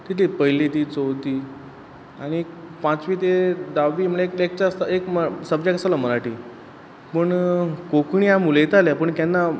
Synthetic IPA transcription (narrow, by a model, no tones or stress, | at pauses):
t̪it̪ʰipəɦlit̪iːt͡sowt̪iː | aɽ̃i | pãt͡sʋiːt̪ed̪aʋiːməlaekek̚t͡ɕast̪aekməsəb̚d͡ʑakəsalaməɾaʈḭː | pəɳkokɳijamulet̪aljapəɳk̪janːa